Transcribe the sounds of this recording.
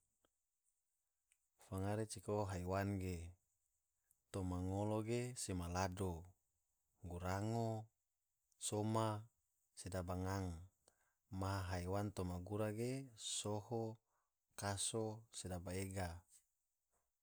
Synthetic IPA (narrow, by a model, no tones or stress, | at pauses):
faŋaɾet͡ʃikoɦaiwanɡe | t̪omaŋoloɡesemalado | ɡuɾaŋo | soma | sedabaŋaŋ | maɦaɦaiwant̪omaɡuɾaɡesoho | kasosedabaeɡa